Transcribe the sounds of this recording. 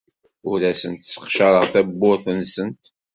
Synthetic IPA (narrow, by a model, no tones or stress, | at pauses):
ʊɾæsənt̪sə̥qʃɑɾˤəʁθæbːʊɾθənsənt̪